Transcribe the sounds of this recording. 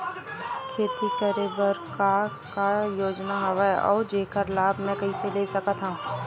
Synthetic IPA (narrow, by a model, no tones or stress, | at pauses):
kʰeːt̪ikəɾebəɾka | kajoːd͡ʒnaɦɐʋaeʔɔ̰ːɾd͡ʒeːkəɾlaːbʱmɛ̃kɐɦiseleːsɐkət̪ɦãː